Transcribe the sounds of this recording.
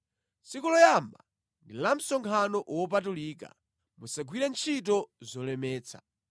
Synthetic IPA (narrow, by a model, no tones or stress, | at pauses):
sikulɔjamba | ndilam̩sɔŋkʰanɔʔwɔp̬atuliːka̰ | musaɡwiɾɛnt͡ʃʰitɔzɔlɛmɛːt͡sʰḁ̰